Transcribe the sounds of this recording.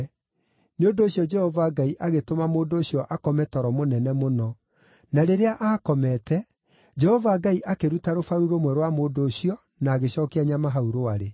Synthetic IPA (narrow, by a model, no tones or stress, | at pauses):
neondoːɕjɔd͡ʒɛhɔvaːɡaiʔaɣetomamoːndoːɕjɔʔakɔmɛtɔɾɔmonɛnɛmonɔ | naɾeɾeaʔaːkɔmɛtɛ | d͡ʒɛhɔvaːɡaiʔakeɾutaɾofaɾuɾomwɛɾwamoːdoːɕiɔ | naːɣeɕɔːkɛaɲamaɦauɾoaɾe